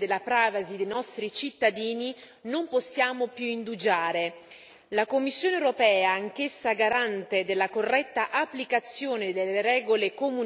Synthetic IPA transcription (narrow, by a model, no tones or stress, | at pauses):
d̪elːapɾaːvazid̪ejnɔst̪ɾit͡ʃit̪ːad̪iːni | nomposːjaːmopjuind̪ud͡ʒaːɾe | lakomːisːjoːnewɾopɛːaːŋk̟esːaɡaɾant̪ed̪elːakorːɛt̪ːaʔapːlikat̪sːjoːned̪elːeɾɛːɡolekomu